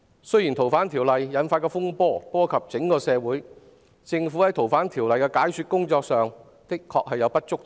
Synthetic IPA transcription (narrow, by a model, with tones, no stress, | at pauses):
sɵ˥jiː˨˩nt̪ʰo˨˩wfaː˨˥nt̪ʰiː˨˩wlɐ˨jːɐ˨˧˥nfaː˧tkɛː˧fʊ˥ŋpɔː˥pɔː˥kʰɐ˨p̚t͡sɪ˨˥ŋkɔː˧sɛː˨˧wuː˨˥j | t͡sɪ˧ŋfuː˨˥hɐ˨˥jt̪ʰo˨˩wfaː˨˥nt̪ʰiː˨˩wlɐ˨jkɛː˧kaː˨˥jsyː˧t̚kʊ˥ŋt͡sɔː˧k̚sœː˨ŋ | t̪ɪ˥kkʰːɔː˧k̚hɐ˨jɐ˨˧wpɐ˥t̚t͡sʊ˥k̚